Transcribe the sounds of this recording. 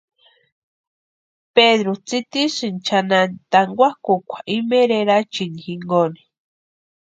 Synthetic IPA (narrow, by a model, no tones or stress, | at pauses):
peðɾut͡sit̪isɨnt͡ʃʰananit̪aŋɡʷakukʷʰḁʔimeɾeɾat͡ʃinixiŋɡoni